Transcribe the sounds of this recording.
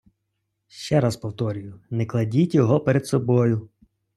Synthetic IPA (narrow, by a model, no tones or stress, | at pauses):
ʃt͡ʃɛɾaspɔwt̪ɔɾʲʊjʊnɛklˠɐdʲitʲjɔɦɔpeɾed̪sɔbɔjʊ